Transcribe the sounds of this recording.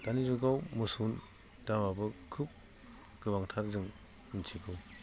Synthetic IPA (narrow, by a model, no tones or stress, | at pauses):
d̥anizuɡawmɯsun | damabɯkʰɯp̚ | ɡ̥ɯbaŋtʰaɾzɯŋ | ntʰiɡɯw